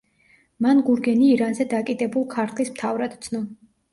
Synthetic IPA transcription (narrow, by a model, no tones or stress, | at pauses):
manɡuɾɡɛniːɾanzɛd̪akʼid̪ɛbulˠkʰaɾt̪ʰlismt̪ʰavɾad̪t̪sʰnɔ